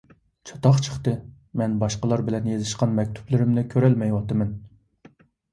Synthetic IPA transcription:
t͡ʃʰɑ̥t̪ɑχt͡ʃʰə̥χt̪ɨ | mɛnbɑʃqəlˠɑɾbɪlɛnjezɪʃqɑnmɛk̚ʲt̪ʰy̥plɪɾɪmnɪkʲʰøɾɛlmɛjwɑt̪ɨmɛn

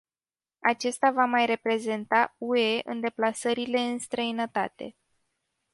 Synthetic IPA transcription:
at͡ʃe̞st̪avamajre̞pɾe̞ze̞nt̪aue̞ʔɨ̰nd̪e̞plasəɾile̞ɨnst̪ɾəinət̪a̰t̪e̞

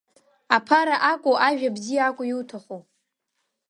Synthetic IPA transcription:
apʰaɾaʔakʷʼoʔaʒᶣabzijaːkʷʼʊjiwtʰaχo

